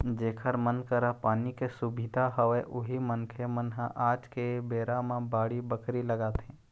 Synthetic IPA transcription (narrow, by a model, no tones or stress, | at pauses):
d͡ʒeːkʰəɾmənkəɾapaːnikesʊbʱɪd̪ʱaɦəʋeʔʊɦimənkʰemənɦãʔaːd͡ʒkebeːɾãmãbaːɽibəkɾiləɡaːt̪ẽː